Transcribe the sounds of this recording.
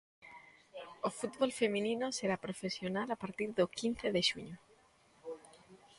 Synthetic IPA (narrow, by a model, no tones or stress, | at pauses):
ofut̪βolfemĩnĩnoseɾapɾofesjonalapaɾt̪iɾðokin̟θeðeʃuɲo